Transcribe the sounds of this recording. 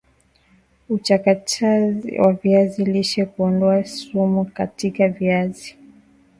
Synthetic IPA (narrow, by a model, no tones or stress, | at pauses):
ut͡ʃakat͡ʃazḭwaviaziliʃɛkuɔndɔasumukatikaviazi